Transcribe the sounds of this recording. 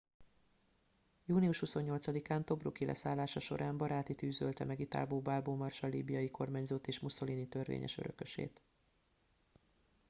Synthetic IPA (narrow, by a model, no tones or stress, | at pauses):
juːniuʃhuso̞ɲːo̞lt̪sɒd̪ikaːnt̪o̞brukilɛ̰saːlːaːʃɒʃo̞̰ɾʔaːmbɒɾaːt̪it̪yːzølt̪ɛmɛɡit̪a̰ːlboːbaːlboːmɒrʃɒlḭːbijɒjiko̞rmaːɲzoːt̪eːʃmuso̞liːnit̪ø̞rvḛːɲʔɛ̰ʃø̰ɾø̞̰kø̞ʃḛːt̪